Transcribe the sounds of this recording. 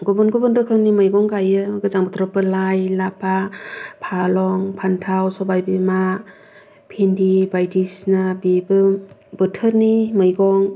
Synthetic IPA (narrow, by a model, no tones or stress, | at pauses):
ɡubɯnɡubɯnɾɯkʰɯnimɯjɡɔŋɡajɯɡɯzaŋbɯtʰɾɔpɯlajlapʰapʰalɔŋpʰantʰawsɔbajbima | pʰendibajdisnabibɯbɯtʰɯɾnimɯjɡɔŋ